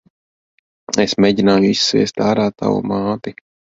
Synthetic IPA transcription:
esmʲeɟʲinaːjuisːviɛst̪aːɾaːt̪a̰wṵmaːt̪i

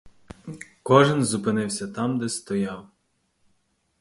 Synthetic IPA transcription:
kɔʒɪnzʊpɪnɪwsʲɐt̪ɑmd̪ɛst̪ɔjɑw

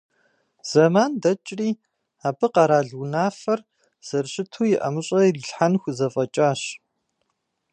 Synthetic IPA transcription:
z̥ɐmaːndɐt͡ʃʼriː | aːbɨqɑɾaːɮwnaːfɐr | z̥ɐrɕʼɪtʰuːjɪʔɐ̰mɨɕʼɐriɬħanxʷʊzɐfʼɐt͡ʃʼaːɕ

